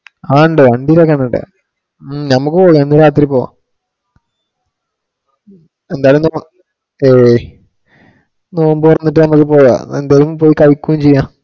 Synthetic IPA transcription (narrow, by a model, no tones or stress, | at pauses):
aːɳɖɨɐɳɖilokːɐːɳːɐɳɖɨ̰ | nɐmukːɨpoːjaenːɐɾaːt̪̬ːiɾipːoːɣa̰ | end̪aːjlumno | eː | no̞ːumboːirɐnːiʈ̬ːɨnɐmukːɨpo̞ːja̰end̪aːjɐlumpo̞ːjikɐjkːuʋiɲt͡ɕejːãː